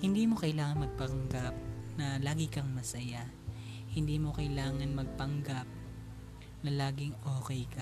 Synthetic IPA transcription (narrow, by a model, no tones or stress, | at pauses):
hɪnd̪iːmo̞kɐjlaːŋɐnmɐɡ̚pɐŋɡap̚nɐlaːɡɪkɐŋmɐsɐja | hɪnd̪iːmo̞kɐjlaːŋɐnmɐɡ̚pɐŋɡap̚ | nɐlaːɡɪŋoːkɛjkɐ